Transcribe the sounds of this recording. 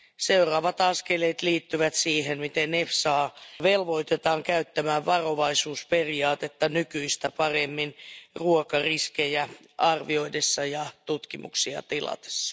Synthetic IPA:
seurɑːʋɑt̪ɑskeleːt̪liːt̪ːyʋæt̪siːhenmit̪enefsɑːʋelʋo̞it̪et̪ɑːŋkæyt̪ːæmæːʋʋɑroʋɑisuːsperiɑːt̪et̪ːɑnykyist̪æpɑremːinruokɑriskejæ | ʔɑrʋio̞idesːɑjɑt̪ut̪kimṵksiɑ̰t̪ilɑ̰t̪e̥sːɑ̥

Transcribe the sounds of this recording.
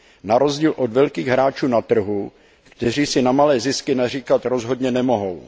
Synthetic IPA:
naɾo̞zɟiːlʔo̞dvɛlkiːɣɦɾaːt͡ʃuːnat̪r̩ɦu | kt̪ɛr̝iːsɪnamalɛːzɪskɪnar̝iːkat̪ɾo̞zɦo̞dɲɛnɛmo̞ɦo̞w

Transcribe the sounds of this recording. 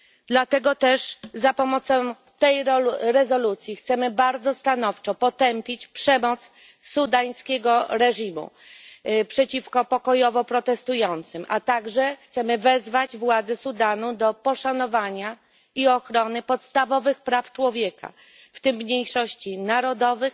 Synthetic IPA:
d̪lat̪ɛɡɔt̪ɛʂzapɔmɔt̪sɔ̃ | t̪ɛjɾɛzɔlut̪sʲjixt̪sɛmɘbaɾd̪zɔst̪anɔft͡ʂɔpɔt̪ɛmpʲit͡ɕpʂɛmɔt̪s | sud̪aj̃skʲeɡɔɾɛʐimṵ | pʂɛt͡ɕifkɔpɔkɔjɔvɔpɾɔt̪ɛst̪ujɔnt̪sɘmʔat̪aɡʐɛxt̪sɛmɘvɛzvad͡ʑvwad̪zɛsud̪anud̪ɔpɔʂanɔvaɲa | iɔxɾɔnɘpɔt̪st̪avɔvɘxpɾaft͡ʂwɔvʲjeka̰ | ft̪ɘmːɲejʂɔɕt͡ɕinaɾɔd̪ɔvɘx

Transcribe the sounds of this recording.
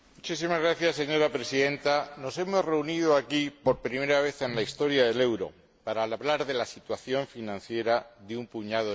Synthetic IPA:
mut͡ʃisimazɣɾaθjasːe̞ɲo̞ɾapɾe̞siðe̞nt̪ano̞se̞mo̞zre̞unið̞oakipo̞ɾpɾime̞ɾaβ̞e̞θe̞nlaist̪o̞ɾjaðe̞le̞wɾo̞̰ | paɾalβlaɾðe̞lasit̪waθjo̞ɱfinãnθje̞ɾaðeumpuɲaðo

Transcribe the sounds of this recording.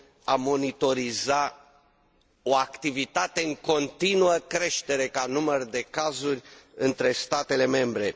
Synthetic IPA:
amo̞nit̪o̞ɾiza | o̞akt̪ivit̪at̪e̞ɨŋko̞nt̪inuəkɾe̞ʃt̪e̞ɾe̞kanumərd̪e̞kazurʲɨnt̪ɾe̞st̪at̪e̞le̞me̞mbɾe̞

